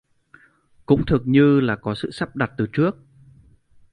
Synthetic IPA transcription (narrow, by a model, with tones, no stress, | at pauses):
kʊ̰˧˥ŋ͡mt̪ʰɨ˨˩ək̚ɲɨ˧laː˨˩kɔ˨˦sɨ̰˧˨sa˦˥p̚ɗa˨˩t̚t̪ɨː˨˩t͡ɕɨ˦˥ək̚